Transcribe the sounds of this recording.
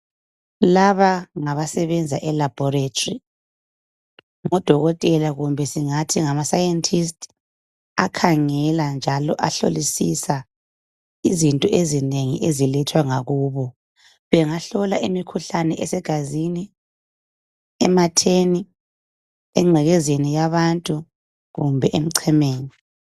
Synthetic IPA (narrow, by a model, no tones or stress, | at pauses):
laβaŋaβasɛβɛnd͡zʱaʔɛlab̥ʱɔretʰri | ŋɔd̥ʱɔɣɔtʼɛlaɣumbʱɛsiŋatʰiŋamasajɛntʰʼis̬tʼ | akʰaŋɛland͡ʒʱalɔʔaɬo̰lisisa | izintʼɔʔezineŋiʔezilɛtʰwaŋaɣuːβɔ | βɛŋaɬɔlaʔemikʰuɬanɛʔɛsɛɡ̥ʱazini | ɛmatʰeni | ɛŋ͡ǀʱɛɣɛzenijaβantʼu | ɣumbʱɛʔem̩ǀʰɛmeːni